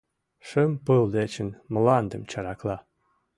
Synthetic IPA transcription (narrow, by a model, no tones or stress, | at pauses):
ʃəmpɨld̪et͡ɕə̆nməlɑnd̪ə̆mt͡ɕɑɾɑklˠɑ